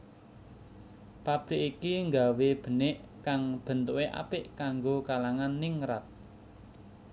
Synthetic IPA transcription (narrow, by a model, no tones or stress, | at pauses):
pab̥ɾɪkikiŋɡa̤web̥ə̤neʔkaŋb̥ə̤nt̪uweʔa̰pɪʔkaŋɡokalaŋanːiŋɾat̪̚